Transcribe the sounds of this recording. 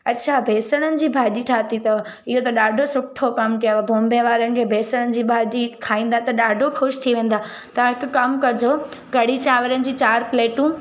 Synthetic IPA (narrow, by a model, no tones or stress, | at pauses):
ɐtːɕʰaːbʱeːsəɽ̃ənɪ̆d͡ʑiːbʱaːɗiʈʰaːt̪it̪ɐ | ɪɦot̪ɐɗaːɖʱosʊʈʰːokɐmkijobʱõːmbẽʋaːɾənɪ̆kʰeːbʱeːsəɽ̃ənɪ̆d͡ʑiːbʱaːʄikʰaːĩːn̆d̪at̪ɐɗaːɖʱoxʊʃt̪ʰiʋẽːn̆d̪aː | t̪ɐɦɪkʊkɐmkɐd͡ʑoːɡɐɽ̤it͡ɕaːʋəɾənɪ̆d͡ʑiːt͡ɕaːɾpleːʈũ